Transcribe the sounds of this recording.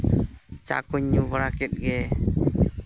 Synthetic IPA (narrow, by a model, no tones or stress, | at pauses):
t͡ʃa̰kuɲːubəɾakit̪̚ɡɛ